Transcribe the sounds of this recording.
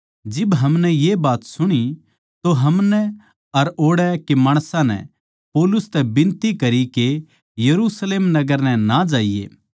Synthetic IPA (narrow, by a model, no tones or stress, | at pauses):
d͡ʒɪbɦɐmnɛjebaːt̪sʊɽ̃i | t̪oɦɐmnɛ | ɐɾoːɽɛkemaːɽ̃sãnɛ̰̃ | poːlʊst̪ɛbɪ̃nt̪ikɐɾike | jɐɾusleːmnɐɡəɾnɛ̃nad͡ʒaːijḛː